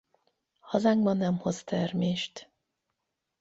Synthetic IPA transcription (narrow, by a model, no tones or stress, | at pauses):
hɒzaːŋɡbɒnːɛmho̞st̪ɛrmeːʃt̪